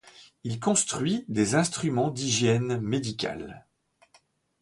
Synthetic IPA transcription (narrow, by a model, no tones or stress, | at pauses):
ilkɔ̃st̪χɥid̪ezɛ̃st̪χymɑ̃d̪iʒjɛnmed̪ikʲa̰l